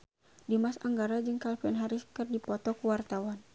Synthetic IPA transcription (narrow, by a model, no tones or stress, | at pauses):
dimasaŋɡaɾad͡ʒɨŋkalfɛnɦaɾiskɨrdipɔt̪ɔkuwart̪awan